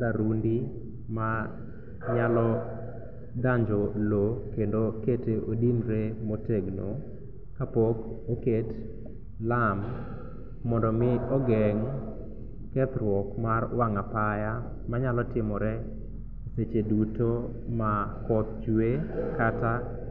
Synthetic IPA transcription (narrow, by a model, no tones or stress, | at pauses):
ɾaɾundi | ma | ɲalɔ | daɲd͡ʒɔlokendoketeʔodinɾemoteɡno | kapɔkoket | lamː | ɔndɔmɪɔɡɛŋ | kɛt̪ɾwɔkmarwaŋapaja | maɲalɔtɪmɔɾɛ | set͡ʃeduto | makɔp̚t͡ʃwekata